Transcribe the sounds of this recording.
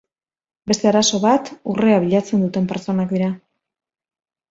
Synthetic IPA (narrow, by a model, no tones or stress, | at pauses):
be̞st̪e̞aɾaso̞βat̪ṵreaβiʎat͡se̞nd̪ut̪e̞mpe̞ɾt͡so̞nakd̪iɾa